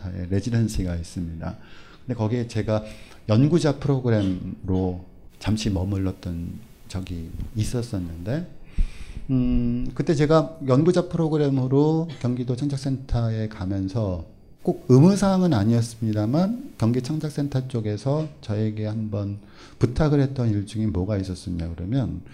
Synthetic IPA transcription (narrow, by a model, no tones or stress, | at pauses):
ae̞̰ɾe̞d͡ʑidʌnsʰiɡais͈ɯmɲida̰kɯndekʌɡiet͡ɕe̞ɡa | jʌnɡud͡ʑapʰɯɾoɡɯɾe̞mɾo | t͡ɕamɕʰimʌmɯɭːʌt̚t͈ʌn | t͡ɕʌɡiːs͈ʌs͈ʌnːɯnde̞ | kɯt͈e̞t͡ɕe̞ɡajʌnɡud͡ʑapʰɯɾoɡɯɾe̞mɯɾokjʌŋɡidot͡ɕʰaŋd͡ʑʰak̚s͈ʰe̞ntʰae̞kamjʌnsʰʌ | k͈oɡ̚ɯmɯsʰaŋɯnaɲiʌs͈ɯmɲidamankjʌŋɡit͡ɕʰaŋd͡ʑʰak̚s͈ʰe̞ntʰat͡ɕ͈oɡe̞sʰʌt͡ɕʌe̞ɡe̞hambʌn | putʰaɡɯɭɦe̞t͈ʌniɭt͡ɕ͈uŋimwʌɡais͈ʌs͈ɯmɲiakɯɾʌmjʌn